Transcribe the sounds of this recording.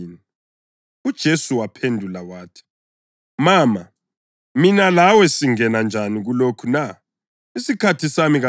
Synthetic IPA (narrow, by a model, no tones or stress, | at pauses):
ni | ud̥ʒ̥ʱesuwapʰendʱulawaːtʰi̥ | maːma | minalawɛsiŋɛnand͡ʒʱaniɣulokʰuna | isikʰatʰisamiɣa